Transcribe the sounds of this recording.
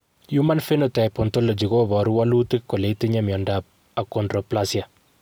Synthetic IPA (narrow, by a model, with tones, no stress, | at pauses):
ju˦ma˦nfe˦no˨ta˨jpɔ˨nto˦lo˨d͡ʒi˨ko˦bɔ˨ɾu˦wa˦lu˦tɪ˦kːo˨le˨ti˦ɲa˦mjɔ˨ndab̚ | a˨kɔndɾo˨plasja˨